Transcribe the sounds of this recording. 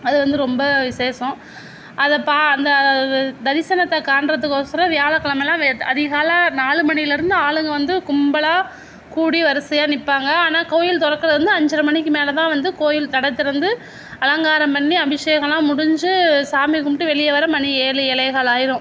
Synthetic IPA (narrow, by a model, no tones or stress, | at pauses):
ɐðɯʋɐnd̪ɯɾɔmbɐʋɪseːsɐ̃ | ɐðɐpaːɐnd̪ɐd̪ɐɾɪsɐnɐt̪ːɐkaːɳɖɾɐt̪ːɯkːɔsɐɾɐʋɪjaːɭɐkːɐɭɐmɛlːãːʋɐðɪɣaːlɐnaːɭɯmɐnɪjɪlɪɾɯnd̪ɯaːɭɯŋɡɐʋɐnd̪ɯkʊmbɐlaː | kuːɽiʋɐɾɐsɐjaːnɪpːaːŋɡɐaːnaːkoːjɪlt̪ɔɽɐkːɐɾɐðɾɯnd̪ɯɐɲd͡ʒɪɾɐmɐɳɪk̬ːɯmeːlɐt̪ãːʋɐnd̪ɯkoːjɪlt̪ɐɽɐt̪ːɪɾɐnd̪ɯ | ɐlɐŋɡaːɾɐmpɐɳːiɐbɪʂɐjɐɣɐɭãːmʊɽʊɲd͡ʒɯsaːmikːʊmʈːɯʋɛɭɪjɐʋɐɾɐmɐnieːlɯɛlɐɪɣaːɭaːjɪɾʊ̃